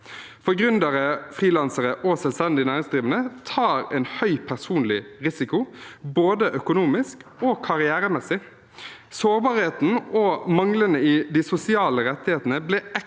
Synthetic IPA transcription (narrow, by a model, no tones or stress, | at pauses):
fɔɡʁʉnd̪əɾəfʁiːlɑnsəɾəʔɔsɛlst̪ɛnd̪ɪnæːɾɪŋsd̪ʁiːʋənət̪ʰɑːɾɛnhœʏpʰæʁsuːnlɪʁɪsɪkʊboːd̪əʔœkʊnuːmɪskɔkʰɑʁɪæːɾəmɛsːɪ | soːʁbɑːɾheːt̪n̩ɔmɑŋlənəɪd̪ɪsʊsɪɑːləɾɛt̪ːɪheːt̪n̩əblɛɛ